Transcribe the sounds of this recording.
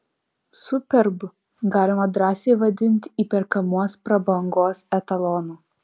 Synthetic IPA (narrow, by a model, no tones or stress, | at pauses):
sʊpʲɛɾbʊ | ɡɑːlʲɪmɐd̪ɾɑːsʲeɪʋɐd̪ʲɪnʲt̪ʲiːpʲɛɾkɐmuɔspɾɐbɐŋɡoːsɛt̪ɐlˠɔnuː